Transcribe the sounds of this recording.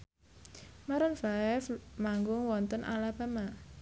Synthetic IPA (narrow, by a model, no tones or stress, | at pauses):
maɾənfaɛfmaŋɡʊŋwɔnt̪ənʔa̰lab̥a̤ma